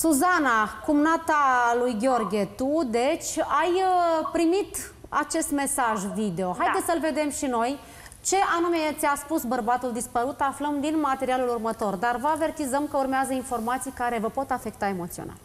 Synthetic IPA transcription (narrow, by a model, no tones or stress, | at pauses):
suzanakumnat̪alujɡʲeo̞rɡʲet̪ud̪e̞t͡ʃʲajəpɾimit̪ | a̰t͡ʃe̞st̪me̞saʒvid̪e̞o̞ɦajd̪esəlve̞d̪e̞mʃino̞j | t͡ʃe̞ʔanume̞t̪sʲiaspusbərbat̪uld̪ispəɾut̪afləmd̪inmat̪e̞ɾialulurmət̪o̞rd̪arvəave̞rt̪izəmkəurmeazəinfo̞rmat̪sijkaɾe̞vəpo̞t̪afe̞k̚t̪ae̞mo̞t̪sio̰na̰l